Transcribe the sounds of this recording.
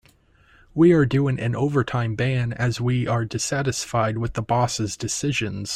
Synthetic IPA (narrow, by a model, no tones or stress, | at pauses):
wiə˞dʉɪ̃ŋʔɨ̃noʊvə˞tʰãɪ̃mbæ̃nɨzwiə˞dɨsæɾɨsfaɪd̚wɨðəbɔsɨzdɨsɪʒɨ̃nz̥